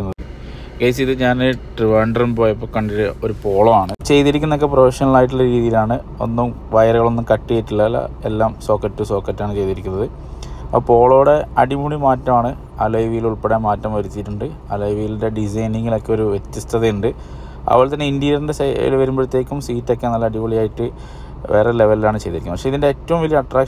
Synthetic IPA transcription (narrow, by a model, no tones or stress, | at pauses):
unːɐɨ | ɡɐjs̬iðɨɲaːnɨʈriʋeːɳɖɐrumpo̞ːjɐp̬ːoːkɐɳɖiɾɨo̞ɾupo̞ːɭoaːɳɨt͡ɕe̞jt̪iɾikʲːunːɐokːe̞prɐʋɐʂɐnɐɐɭaːjiʈːuɭːɐɾiːðijilaːɳɨ | o̞̰nːum | ʋɐjɐɾɐɣɐɭo̞nːumkɐʈːijiʈːiɭːɐlːɐ̰elːaːmso̞ːkːɐtːuso̞ːkːɐtːaːɳɨt͡ɕe̞jt̪iɾikʲːunːɐðɨ | ɐpːpo̞ːɭo̞ːɽe̞ɐɽimuɭimaːtːɐmaːɳɨ | ɐ̰lɐjʋijiluɭpeɽemaːtːɐmʋɐɾut̪ːiʈːuɳɖɨ | ɐlɐjʋijilnde̞ɖisɐjniŋːɐɭo̞kːeo̞ɾuʋet̪ːist̪ʰɐðeuɳɖɨ | ɐ̰ʋoɭt̪ɐnːe̞indijɐrinde̞sɐḭlʋɐɾumprɐt̪ːe̞ːkːumsiːtːokːenːɐlːɐɽimuɭijaːjiʈːɨ | ʋe̞ːrele̞ʋɐlilaːɳɨt͡ɕe̞jt̪iɾikʲːnːpɐʂe̞iðinde̞eːtːɐʋumʋɐlijɐɐʈraːkʂ